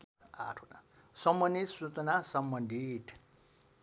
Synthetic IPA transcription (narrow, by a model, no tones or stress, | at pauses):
k | a̰ʈʰuna̰ | sʌmbʌnisut͡snasʌmbʌnd̪ʱiʈʰ